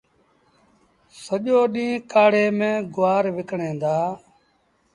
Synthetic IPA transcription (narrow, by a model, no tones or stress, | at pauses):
səʄoːɗĩːkaːɽeːmẽːɡʊʋaːɾʋɪkɳẽːd̪aː